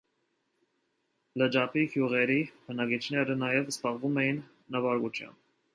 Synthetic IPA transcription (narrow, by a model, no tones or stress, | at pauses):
ləd͡ʒɑpihjuʁɛɾibənɑɡit͡ʃʰnɛɾənɑjɛvsbɑʁvumɛjinː | əvɑɾɡut͡ʃʰjɑ̰mb